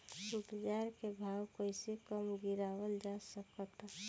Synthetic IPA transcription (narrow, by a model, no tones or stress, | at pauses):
upd͡ʒaɾkebʱawkojsekəmɡiɾawəld͡ʒasəkət̪